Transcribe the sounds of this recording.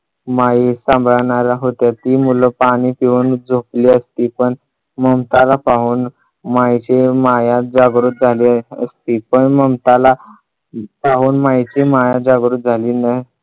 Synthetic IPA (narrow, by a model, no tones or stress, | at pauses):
maisãmbʱɭaɳ̃aɾaɦot̪jat̪iːmuləpaɽ̃ipiʋuːnd͡zʱopliəst̪iːpəɳ | məmt̪alapaɦuːn | majt͡ɕemajad͡zaɡɾuːt̪̚d͡zʱaliəst̪iːpəɳməmt̪ala | paɦuːnmajt͡ɕemajad͡zaɡɾuːt̪̚d͡zʱaliːnaɦi